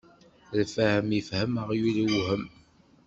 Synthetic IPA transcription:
ðfæhəmifhəməʁjuliwɦəm

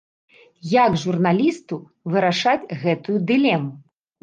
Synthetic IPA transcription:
jaɡʐurnalʲist̪u | vɨɾaʂat͡sʲɣɛt̪ujud̪ɨlʲɛmu

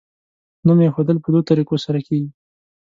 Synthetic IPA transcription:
numjexod̪əlpəd̪ot̪aɾikosaɾakeɡi

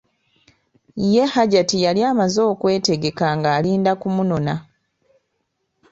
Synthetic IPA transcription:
je̞haɟatijaliaːmazo̞ːkwe̞ːte̞ɡe̞kaŋɡaːliːndakumuno̞na

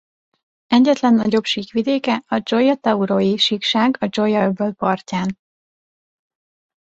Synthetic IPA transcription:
ɛɟːɛt̪lɛnːɒɟo̞pʃiːkʋid̪eːkɛɒd͡ʒo̞jɒt̪ɛuɾojiʃikʃaːɡɒd͡ʒo̞jɒøbølpɒrcaːn

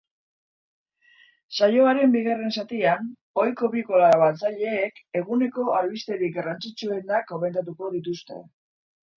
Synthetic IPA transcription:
sajo̞aɾe̞mbiɣare̞nsat̪ian | o̞jko̞βiko̞laβat͡saʎe̞ːke̞ɣune̞ko̞alβist̪e̞ɾikɡarant͡sit͡sue̞nakome̞nt̪at̪uko̞ðit̪ust̪e̞̰

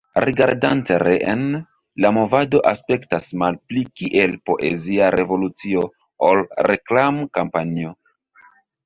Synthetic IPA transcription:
riɡa̰ɾdanteɾeʔen | lamo̞vado̞ʔaspe̞ktasmalplikiʔe̞lpo̞ʔe̞̰ziaɾe̞vo̞lut͡sio̞ | olɾe̞klamkampanio̞

